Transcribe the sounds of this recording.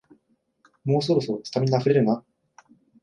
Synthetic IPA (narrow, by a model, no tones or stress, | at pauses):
mo̞ːs̬o̞ɾo̞soot͡sɨ̥t̪amʲiɲ̟iaɸɯ̟ɾe̞ɾɯ̟na